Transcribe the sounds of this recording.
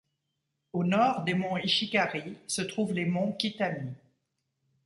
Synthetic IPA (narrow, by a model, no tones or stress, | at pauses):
onɔʁd̪emɔ̃iʃikaʁisət̪χuvlemɔ̃kʲit̪ami